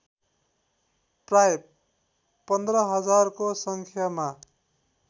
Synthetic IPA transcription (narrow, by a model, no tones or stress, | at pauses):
praj | pʌnd̪rʌɦʌd͡zarkosʌŋkʰjama